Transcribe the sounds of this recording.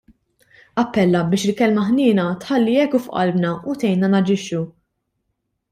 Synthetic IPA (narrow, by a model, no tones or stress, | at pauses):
ɐpːɛlːɐbɪːʃɪlkɛlmɐħnɪːnɐt̪ħɐlːiɛkːufʔɐ̰lbnɐut̪ɛjnɐnɐd͡ʒɪʃːu